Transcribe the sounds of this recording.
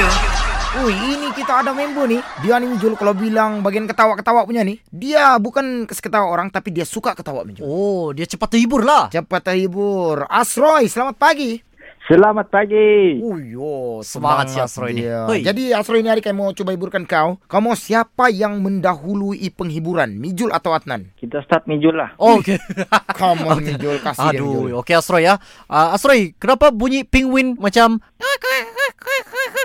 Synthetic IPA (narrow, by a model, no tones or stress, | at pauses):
oiinikit̪aːdamembonɪdianiɲd͡ʒulkalawbilaŋbaɡiankət̪awaʔkət̪awaʔpuɲanɪdiabukankəsə̥kət̪awaoɾaŋt̪apidiasukakə̥t̪awa̰ʔpuɲd͡ʒaodiat͡ʃəpat̪ːəibʊrlat͡ʃəpat̪ːəɦibʊrasɾɔjsəlamat̪̚paɡi | səlamat̪̚paɡiojosəmaɦasiasɾoiad͡ʒadiasɾɔjiniaɾikajamawt͡ʃubaɦibʊrkankawkawmawsiapajaŋməndaɦuluipəŋɦibuɾanmid͡ʒʊla̰t̪awat̪̚na̰nkit̪ast̪at̪̚mid͡ʒʊlahokekʰɔmɔmid͡ʒd͡ʒʊlkasaiduokeasɾɔja | ʔəasɾɔjkənapabuɲipiŋwɪnmat͡ʃam | kk